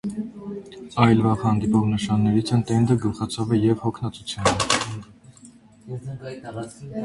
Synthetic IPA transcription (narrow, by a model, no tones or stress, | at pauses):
ɑjlvɑʁhɑnd̪ipɔʁnəʃɑnːɛɾit͡sʰɛnt̪ɛnd̪əɡəlχɑt͡sʰɑvɛjɛvhɔkʰnɑt͡sut͡sʰjunə